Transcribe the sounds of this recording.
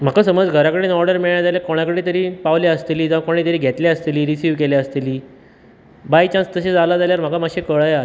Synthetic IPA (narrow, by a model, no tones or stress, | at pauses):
m̤akasəməd͡zɡʱəɾakəɽeːnɔɾɖəɾmiɭɳjad͡zaljakoɽ̃akəɽeːt̪əɾiːpaʋljaəst̪eliːd͡zaʋakoɽ̃iːt̪əɾiːɡʱet̪ljaəst̪eliːɾisiːʋkelaəst̪eliː | bajt͡ɕãnst̪əɕed͡zalad͡zaljaɾm̤akamaɕekəɭəja